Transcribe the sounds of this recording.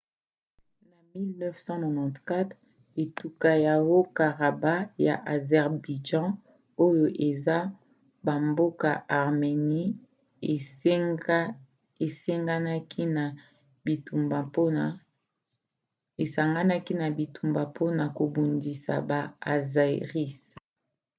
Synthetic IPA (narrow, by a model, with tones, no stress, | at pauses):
na˨mi˦lnɛ˦fsɑ̃˦nɔ˨nɑ̃˨tka˦t̪ | e˨tu˨ka˦ja˨wo˦ka˨ʁa˨ba˦ja̰˨ʔa˨zɛ˨ʁbi˨d͡ʒɑ̃˦ | o˦jo˨ʔe˨za˦ | ba˨mbo˦ka̰˨ʔa˨ʁme˨ni˦˨ | e˨se˦ŋɡa˦na˦kʰi˦na˨ | bi˨tu˨mba˨p | e˨sa˨ŋɡa˦na˦ki˦na˨bi˨tu˨mba˨pʰo˦na˨ko˨bo˨ndi˨sa̰˨ba˨a̰˨za˨ḛ˨ʁi˦s